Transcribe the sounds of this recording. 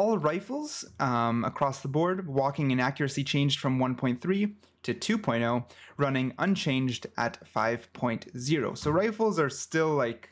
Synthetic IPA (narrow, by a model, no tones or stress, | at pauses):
ɔlˠɹaɪfl̩ˠz̥ | ə̰kʰɹ̥ɔsðəbɔɹd̚wɔkɪ̃ŋɨ̃nækjə˞ɨsit͡ʃʰẽɪ̃nd͡ʒd̥fɹʌ̃mwʌ̃npʰɔ̃ɪ̃nθɹi | ɾɨtʰʉpʰɔ̃ɪ̃ntoʊɹʌnɪ̃ŋʌ̃nt͡ʃʰẽɪ̃nd͡ʒdʔɨtfa̰ɪv̥pʰɔ̃ɪ̃ntzɪɹo̰ʊsoʊɹaɪfl̩ˠzə˞stɪlˠlaɪk